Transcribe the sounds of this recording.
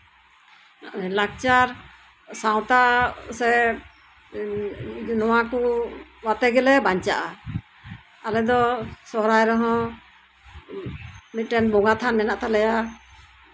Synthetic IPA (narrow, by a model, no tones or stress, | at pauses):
lak̚t͡ʃaɾ | saw̃t̪asɛ | nɔwakuwat̪ɛɡɛlɛbaɲt͡ʃaʔa | alɛd̪ɔsɔɾajɾɔɦɔ̃ | mit̪̚ˀʈɛnbɔŋat̪ʰanmɛnaʔt̪alɛja